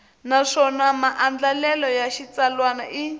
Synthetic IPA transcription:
naʂɔnamaʔand͡ɮalɛlɔjaʃit͡salwanaʔi

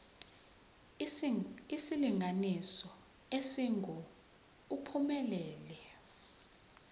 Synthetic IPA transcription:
isiliŋɡʱanisɔ | esiŋʱɔ | upʰumɛlɛːlɛ

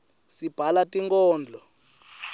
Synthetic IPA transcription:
sib̥ʱalatʼiŋkʼɔːnd͡ɮʱɔ

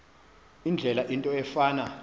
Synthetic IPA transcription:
ind͡ɮʱɛlaʔintʼɔɛfaːna

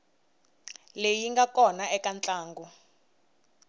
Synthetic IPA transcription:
lejiŋɡakɔnaɛkant͡ɬʼaːŋɡu

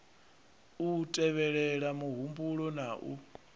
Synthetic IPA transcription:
utʼɛβɛɺɛɺamuɦumbuɺɔnaʔu

